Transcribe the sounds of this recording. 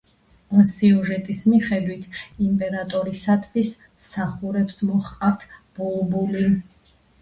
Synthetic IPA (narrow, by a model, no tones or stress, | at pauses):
siɔʒɛt̪ʼismiχɛd̪wit̪ʰimpʼɛɾat̪ʼɔɾisat̪ʰvis | saχuɾɛpsmɔχqʼavt̪ʰb̥ɔlbuli